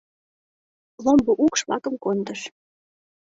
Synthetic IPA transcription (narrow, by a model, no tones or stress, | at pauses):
lomboʔukʃβlɑ̰kə̆mkond̪əʃ